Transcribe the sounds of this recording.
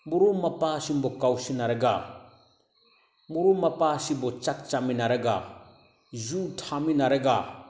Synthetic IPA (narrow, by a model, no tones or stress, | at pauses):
buɾumːapasimbɔkawsinaɾeɡa | muɾumːapasibɔt͡ʃak̚t͡ʃaminaɾeɡa̰ | zutʰaminaɾeɡa